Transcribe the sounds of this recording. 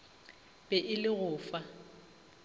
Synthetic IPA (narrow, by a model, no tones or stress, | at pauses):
b̥ʼɛʔɪlɪɣʊːfa